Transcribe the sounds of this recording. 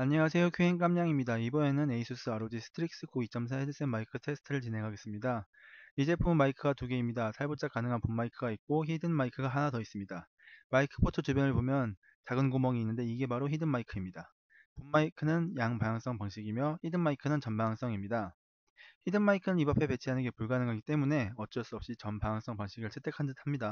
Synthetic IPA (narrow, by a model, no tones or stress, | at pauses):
aɲːeŋas̬ʰe̞jokʰuɦe̞ŋk͈amɲaŋimɲidaibʌe̞nɯne̞isʰus͈ɯaɾod͡ʑisʰɯ̥tʰɯɾik̚s͈ɯkʰoit͡ɕ͈ʰʌms̬ʰaedɯs͈enmaikʰɯtʰe̞sʰɯ̥tʰɯɾɯɭt͡ɕinɦe̞ŋɦaɡe̞s͈ɯmɲida | id͡ʑe̞pʰumːaikʰɯɡatuɡe̞imɲidasʰaɭbut͡ɕ͈akanɯŋɦanpummaikʰɯɡait̚k͈oçidɯnmaikʰɯɡaɦanatʌis͈ɯmɲida | maikʰɯ̥pʰotʰɯt͡ɕubjʌnɯɭpomjʌn | t͡ɕaɡɯnɡomʌŋiːnːɯnde̞iɡe̞baɾoçidɯnmːaikʰɯimɲida | pummaikʰɯnɯnjaŋpajaŋs͈ʌŋpaŋɕ͈ʰiɡimjʌçidɯnmːaikʰɯnɯnt͡ɕʌnbajaŋs͈ʌŋimɲida | çidɯnmaikʰɯnɯnibapʰe̞pe̞t͡ɕʰianɯnɡe̞puɭɡanɯŋɦaɡit͈e̞mune̞ʌt͡ɕ͈ʌɭs͈uʌp̚ɕ͈it͡ɕʌnpajaŋs͈ʌŋpaŋɕ͈ʰiɡɯɭt͡ɕʰe̞t͈ʰe̞kʰandɯtʰamɲida